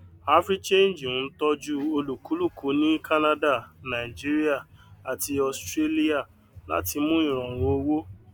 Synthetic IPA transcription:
a˦fɾi˦t͡ʃẽ˦n˨d͡ʒn̩˦tɔ˦d͡ʒu˦o˧lu˨ku˨˦lu˦˨ku˨˦nĩ˦ka˦na˦da˦˨nã˨i˨d͡ʒi˦ɾi˦a˦˨a˨ti˧ɔ˨stɾe˦li˦a˦˨ | la̰˨˦ti˧mũ˦ĩ˦˨ɾ̃ɔ̃˨wo˨o˦wo˦

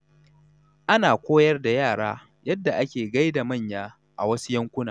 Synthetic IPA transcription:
ʔa˦naː˨kʷoː˦jɐ˦rda˨jaː˦˨ɽa̰ː˦ | jɐ˦dːa˨ʔa˦kʲeː˨ɡa˦jda˨mɐ˦˨ɲjaː˦ | ʔa̰˨wɐ˦su˦jɐ˦ŋkʷʊ˦naː˨

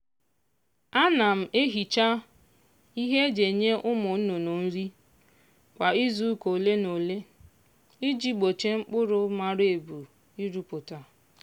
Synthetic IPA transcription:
a˦na˨m̩˨ʔe˦ɦi˨t͡ʃa˦ | i˦ɦe˦d͡ʒe˨ɲe˦ʔʊ˦mʊ˨n̩˦no˨no˨n̩˦ɾi˦ | kʷa˨i˦zu˦ko˨le˦no˨le˦ | ɪ˦d͡ʒi˦ɡ͡bo˨t͡ʃe˦ŋ͡m̩˦k͡pʊ˦ɾʊ˦ma˨ɾe˨bu˨ | i˦ɾu˨˦pʊ˨ta˨

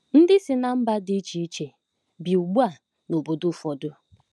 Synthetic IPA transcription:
n̩˦dɪ˦sɪ˨na˨m̩˦ba˦dɪ˦t͡ʃi˨i˦t͡ʃe˨ | bi˨u˨ɡ͡bu˦a˨ | no˨bo˨dʊ˦fɔ˨dʊ˦

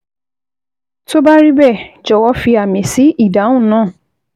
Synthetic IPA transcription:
to˦ba˦ɾi˦bɛ˦˨d͡ʒɔ˨wɔ˧˦fi˧a˨mĩ˨si˨˦i˦˨dã˨˦ũ˦˨nãː˦˨

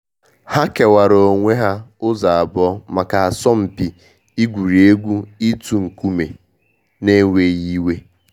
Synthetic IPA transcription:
ha˦ke˨wa˨ɾo˨ŋʷe˦ɦa˦ʊ˦za˨a˨bɔ˦ma˨ka˨a˨sɔ˦m̩˨pi˨ | i˦ɡʷu˨ɾi˨e˦ɡʷu˦i˦tu˨ŋ̩˨ku˦me˨ | ne˦ŋʷe˦ji˦we˦

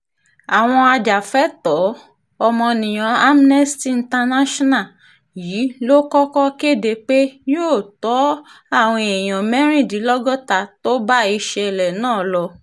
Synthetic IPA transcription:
a˨w̃ɔ̃˧a˧d͡ʒa˨fɛ˨˦tɔ˨˦ | ɔ˧mɔ̃˧nĩ˨j̃ã˧a˦m˦nɛ˦stĩ˦˨˧n̩˨˦ta˧na˦ʃɔ˦na˦˨ | ji˨˦lo˦kɔ˦kɔ˦ke˦˨de˨˧k͡pe˦joː˦˨tɔ˨˦ | a˦˨w̃ɔ̃˧ɛ˨j̃ɔ̃˨mɛ̃˦ɾ̃ĩ˦˨di˨˦lɔ˦ɡɔ˦ta˧˨to˦ba˦i˧ʃɛ˧ɛ˨lɛ˨nãː˦˨lɔ˧

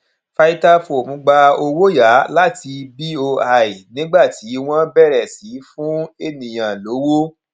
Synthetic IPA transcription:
fa˧i˧ta˦fo˨mũ˨˧ɡ͡ba˧o˧wo˦ja˨˦la˦ti˧bi˦o˧a˧i˨nĩ˦ɡ͡ba˦˨ti˨˦w̃ɔ̃˦bɛ˦˨ɾɛ˨si˨˦fũ˦e˦˨nĩ˨j̃ã˨lo˨˦wo˦

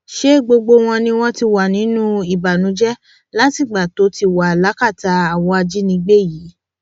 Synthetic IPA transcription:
ʃe˦ɡ͡bo˧ɡ͡bo˧w̃ɔ̃˧nĩ˧w̃ɔ̃˧ti˧wa˨nĩ˨˦nũ˦i˦˨ba˨nũ˨˦d͡ʒɛ˦ | la˦ti˦˨ɡ͡ba˨to˨˦ti˧wa˨la˨˦ka˦˨ta˧a˨wɔ˧a˧d͡ʒi˦nĩ˧ɡ͡be˦˨jiː˨˦

